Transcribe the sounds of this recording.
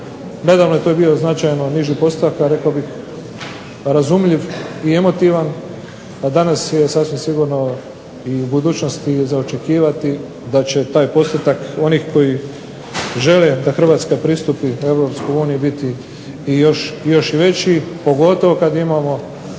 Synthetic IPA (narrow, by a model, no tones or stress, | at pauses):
ne̞d̪aːʋnoet̪ojbio̞znat͡ʃajno̞niʒipo̞st̪akaɾe̞kaobix | ɾazumʎiʋie̞mo̞t̪iʋan | ad̪anasje̞sasʋimsiɡuːɾno̞ | iubud̪uːt͡ʃno̞st̪izaot͡ʃe̞kiːʋat̪i | d̪at͡ɕe̞t̪aːjpo̞st̪et̪ako̞niːxko̞ji | ʒe̞led̪axr̩ʋaːt̪skapɾiːst̪upiue̞ʋɾo̞pskojuːnijibit̪iː | jo̞ʃjo̞ʃiʋe̞t͡ɕipo̞ɡo̞t̪o̞ʋo̞kad̪imamo̞